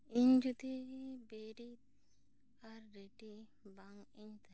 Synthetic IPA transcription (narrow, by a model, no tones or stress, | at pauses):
iɲd͡ʒut̪ibeɾit̪̚ | aɾːeʈi | baŋiɲt̪a